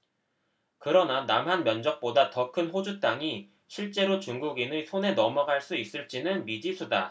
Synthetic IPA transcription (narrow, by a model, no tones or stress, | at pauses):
kɯɾʌnanamɦanmjʌnd͡ʑʌk̚p͈odatʌkʰɯnɸod͡ʑut͈aŋi | ɕʰiɭt͡ɕ͈e̞ɾot͡ɕuŋɡuɡinisʰone̞nʌmʌɡaɭs͈uis͈ɯɭt͡ɕ͈inɯnmid͡ʑisʰuda